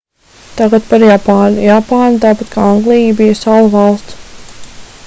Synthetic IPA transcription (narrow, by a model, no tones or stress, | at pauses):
t̪aɡat̪paɾjapaːnujapaːnut̪aːpat̪kaːaŋɡlˠijbijəsalˠvɑlˠst̪s